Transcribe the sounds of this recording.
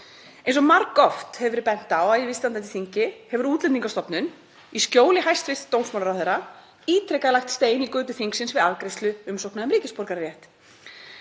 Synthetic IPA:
ẽjnsɔmaɾkːɔft̪hɛvɪɾpɛn̥t̪awaðɪvɪst̪ant̪at̪iθiɲcɪhɛvʏɾuːt̪lɛniŋkast̪ɔpnʏn | iscoːwlɪhajst̪fɪst̪t̪ːownsmɔlaɾawθeːɾa | iːt̪ɾɛkalajxt̪st̪eːjɪnikʏːt̪ʏθiŋksɪnsvɪðaðkɾest̪lʏʏmsowknaðmɾiːcɪspɔɾkaɾɾjɛht̪

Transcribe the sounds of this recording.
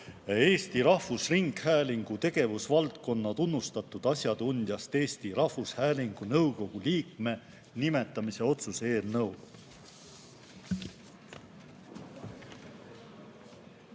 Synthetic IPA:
e̞ːst̪iɾɑhvusriŋɡ̥hæːliŋɡ̥ut̪e̞ɡ̥e̞vusvɑlt̪̚ko̞nːɑt̪unːust̪ɑt̪ːˑud̪̥ɑsʲjɑd̪̥unʲd̪̥jɑst̪e̞ːst̪iɾɑhvushæːliŋɡ̥unɤwɡo̞ɡ̥uliːkme̞ | nime̞t̪ːˑɑmise̞o̞t̪suse̞ːlnɤw

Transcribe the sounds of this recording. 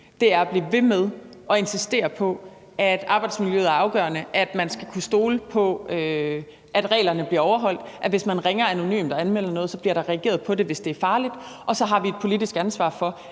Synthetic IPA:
d̥e̝æɐæb̥liːʋe̝með̞ˠɒ̽e̝nsisd̥e̝̰ːɐpʰɒ̽ | æd̥ɑ̈ːb̥ɑ̈ɪd̥smiljøːð̩ˠæɐɑ̈ʊɡ̥ɶːɐnəʔæd̥mænsɡ̥ækʰusd̥o̝ːləpʰɒ̽ø | ʔæd̥ʁɛ̰ːlɐnəb̥liɐɒʊɐɦɒ̽l̰d̥ʔæʋe̝smænʁɛŋɐæno̝ny̰ːmd̥ɒ̽ænmel̰ɐnɔ̽ːðˠsɒ̽bliɐɾ̥ɑ̈ʁɛɡ̥e̝̰ːɐðˠpʰɒ̽de̝ʋe̝sd̥e̝æɐfɑ̈ːlid̥ʔɒ̽sɒ̽ɦɑ̈ʋie̝d̥̚pʰo̝lidisɡ̥ænsʋɑ̰̈ːfɒ̽

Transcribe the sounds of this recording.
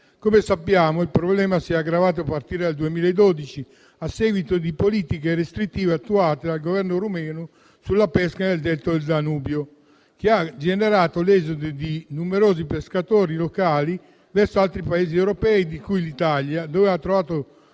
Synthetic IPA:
komesapːjaːmoilpɾoblɛːmasiaɡɾavaːt̪̬oapːart̪iːɾed̪ald̪uemiːlaed̪od̪it͡ʃi | asːeɡwit̪od̪ipoliːt̪ikeɾest̪ɾit̪ːiːveat̪ːuaːt̪ed̪alɡovɛrnoɾumɛːno | sulːapɛskaneld̪ɛlt̪od̪eld̪anuːbjo | k̟iad͡ʒeneɾaːt̪olɛːzod̪ed̪inumeɾoːzipeskat̪oːɾilokaːli | vɛrsoalt̪ɾipaeːziɛwɾopɛːid̪ikujlit̪aljad̪ɔːveat̪ːɾovaːt̪o

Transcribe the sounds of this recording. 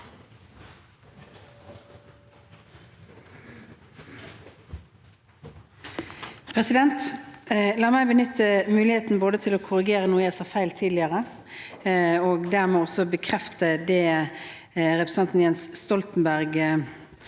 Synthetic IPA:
pʰʁɛsɪd̪ɛnt̪ | lɑːʁmæɪbənʏt̪ʰːəmʉːlɪheːt̪n̩boːd̪ət̪ʰɪloːkʰʊʁɪɡeːʁənuːəjæsɑːfæɪlt̪ʰiːd̪lɪəʁə | oːɡd̪æʁmeːɔsɔbəkʰʁɛft̪əd̪ɛː | ʁɛpʁəsɑnt̪n̩jɛnsst̪ɔlt̪n̩bæʁɡ

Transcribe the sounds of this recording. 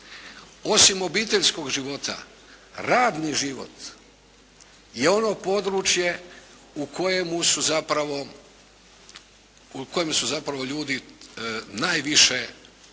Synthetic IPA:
o̞simo̞biːt̪e̞ʎsko̞ɡʒiʋo̞t̪a̰ | ɾaːd̪niʒiʋo̞̰t̪ | je̞o̞no̞po̞d̪ɾut͡ʃje̞ | ukʰo̞je̞musuzapɾaʋo̞ | uko̞jemsuzapɾaʋo̞ʎuːd̪i | naːjʋiʃe

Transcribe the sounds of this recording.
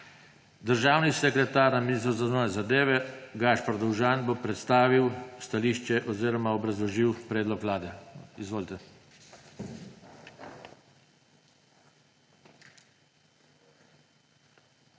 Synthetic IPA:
d̪əɾʒaːwnisɛkɾɛt̪aːɾnaminist̪ɾɔwzaznoːnɛzad̪eːʋɛɡaʃpaɾd̪ɔwʒanbopɾɛt̪st̪aːʋiwst̪aliːʃt͡ʃɛʔɔziːɾɔmaɔbɾazlɔʒiwpɾeːd̪lɔkʋlaːd̪ɛizʋoːlit̪ɛ

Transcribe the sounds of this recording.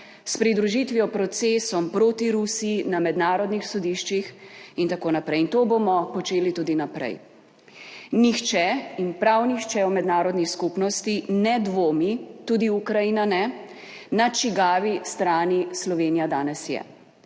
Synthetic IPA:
spɾid̪ɾuʒit̪ʋijɔpɾɔt̪sesɔmpɾoːt̪iɾusijinamɛd̪naːɾɔd̪nixsɔd̪iʃt͡ʃixint̪akoːnapɾɛjint̪oːbomɔpɔt͡ʃeːlit̪uːd̪inapɾɛ̰j | nixt͡ʃɛinpɾawnixt͡ʃɛɔmɛd̪naːɾɔd̪niskupnɔst̪inɛd̪ʋoːmit̪uːd̪iukɾajiːnanɛ | nat͡ʃiɡaːʋist̪ɾaːnislɔʋeːnijad̪aːnɛsjɛ̰

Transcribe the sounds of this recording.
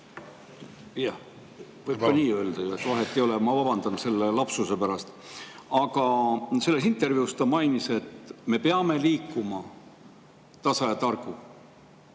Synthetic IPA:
jɑ | vɤjp̚kɑniːø̞ːld̪̥ɑjuet̪vɑɦet̪ːˑijo̞lemɑvɑbɑnd̪̥ɑnse̞lːe̞lɑpsuse̞pæɾɑst̪ | ɑɡ̥ɑse̞lːe̞s̬int̪ːˑe̞rviust̪ɑmɑjnise̞t̪me̞peɑme̞liːkːˑumɑ | t̪ɑsɑjɑt̪ɑrɡ̥u

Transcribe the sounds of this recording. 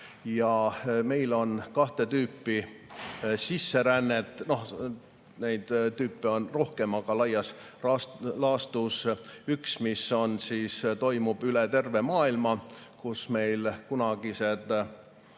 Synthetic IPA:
jɑme̞jlo̞nkɑht̪e̞t̪yːpːi | sisːe̞ɾænːet̪ˑːno̞h | nejd̪̥t̪yːpːˑeo̞nro̞hke̞mɑɡ̥ɑlɑjɑs | ɑlɑːst̪usyksmisːo̞nsiːst̪o̞jmub̥ylet̪e̞rve̞mɑːilmɑkusme̞jlkunɑɡ̥ise̞d̪̥

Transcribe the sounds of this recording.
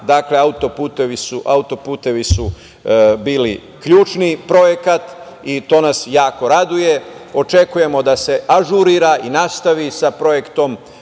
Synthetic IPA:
d̪akle̞aut̪o̞puːt̪eʋisuʔaut̪o̞puːt̪e̞ʋisu | biːli | kʎuːt͡ʃnipɾo̞je̞kat̪ | it̪o̞ːnasjaːko̞ɾad̪uje̞o̞t͡ʃe̞kuje̞mo̞d̪ase̞aʒuɾiɾaʔinast̪aʋisapɾo̞je̞kt̪o̞m

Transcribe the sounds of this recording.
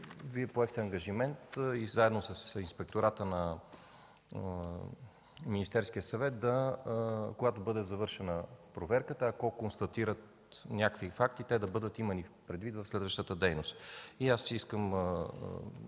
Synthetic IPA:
viɛpoɛxt̪ɛɐŋɡɐʒimɛnt̪izaɛd̪nosəsinspɛk̚t̪oɾat̪ənɐ | minist̪ɛɾsk̟ijəsɐvɛt̪̚d̪ɐ | koɡat̪obɤd̪ɛzɐvɤɾʃɛnəpɾovɛɾkət̪əːkɔkonst̪ɐt̪iɾət̪̚ | nʲakvifak̚t̪it̪ɛd̪ɐbɤd̪ət̪imənipɾɛd̪vit̪vəfslɛd̪vəʃt̪ət̪əd̪ɛjnost̪iasiskəm

